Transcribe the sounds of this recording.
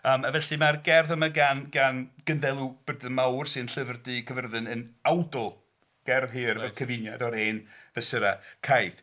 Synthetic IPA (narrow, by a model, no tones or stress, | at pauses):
əːmavɛɬɨmarɡɛrðəmaɡanɡanɡ̥ənðɛlˠub̥ədɨnmawrsɨnɬəvrdɨkʰəvərðɨnənawdʊlˠ | ɡ̥ɛrðɦɨːrɛkʰəvɪnjadɔɾeːnvɛsəɾakʰajð̥